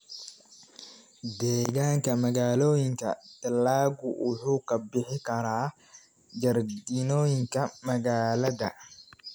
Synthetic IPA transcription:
d̪ɛːɣaːŋkʰɐmɐɣaːlɔːjɪŋkʰɐ̰t̪ɐlaːɡʊwʔʊħuːkʰɐbɪħɪkʰɐɾaː | d͡ʒɐrd̪inɔːjɪŋkʰɐmɐɣaːlɐðɐ

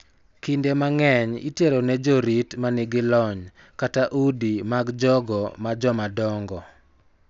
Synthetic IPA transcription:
kindemaŋɛɲḭteɾonɛd͡ʒɔɾitmanɪɡɪlɔɲ | kataʔudimaɡd͡ʒɔɡɔmad͡ʒɔmadɔŋɡɔ

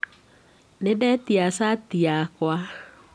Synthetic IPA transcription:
nedɛtiasatiakwa

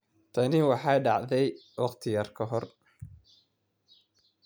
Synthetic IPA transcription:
t̪ʰɐnɪwɑħɑjɖɑʕðɛj | wɑqt̪ʰɪjaːrkʰɐɦɔr

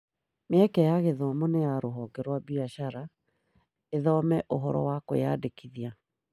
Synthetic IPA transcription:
meɛkɛjaɣeðɔmɔnejaɾoɦɔɡɛɾwabiaɕaɾa | eðɔmɛʔoɦɔɾɔ̰wakoja̰dekiðia

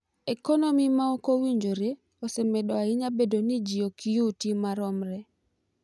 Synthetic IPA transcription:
ɛkɔnomimaokowiɲd͡ʒoɾe | osemɛdɔaɪɲabedonid͡ʒiokijutimaɾɔmɾɛ

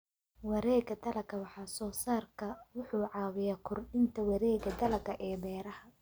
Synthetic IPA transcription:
wɑɾɛːɡɐd̪ɐlɐɡʰɐwɑħɑːsɔːsaːrkʰɐwʊħuːʕɑːwɪjaːkʰʊrɖɪnt̪ʰɐwɑɾɛːɡɐd̪ɐlɐɡɐʔɛːbɛːɾɐhɐ

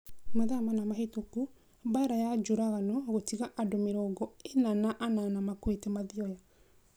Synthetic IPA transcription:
maðamanamaɦetoku | baɾajad͡ʒoɾaɣanɔɣotiɣaʔadomeɾɔɡɔenanaʔananamakwetemaðiɔja

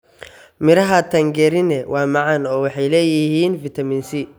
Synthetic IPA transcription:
mɪɾɐɦɐt̪ʰɐŋɡɛɾɪnɛwʔɑːmɑʕɑnɔːwɑħɑjlɛːjɪhiːnfɪt̪ʰɐmɪːnsɪ

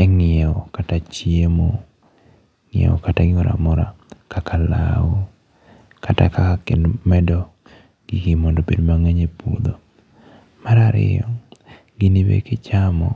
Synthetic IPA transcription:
ɛŋɪɛɔkatat͡ʃjemo | ŋɪɛ̰ɔ̰kataɡɪŋɔɾa̰mɔɾa̰kakʰala̰wo | kata̰kaakenmɛdɔ | ɡ̥iɡɪmɔndobedmaŋeɲepod̪o | maɾaɾɪ̰jɔ | ɡɪnɪbḛkɪt͡ʃamɔ̰

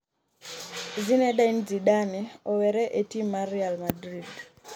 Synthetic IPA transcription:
zinɛɗaind͡ziɗanɛɔwɛɾɛʔetimaɾialmadɾid

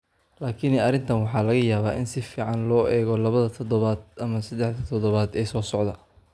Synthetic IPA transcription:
laːkʰɪnɐɾɪnt̪ʰɐnwɑħɑːlɐɣɐjaːβaːʔɪnsɪfiːʕɑnlɔːʔɛːɣɔlɐβɐðɐt̪ʰɔd̪ɔβaːd̪̚ɐmɐsɐd̪ɛħd̪ɐt̪ʰɔðɔβaːd̪ɛjsɔːsɔʕd̪ɐ

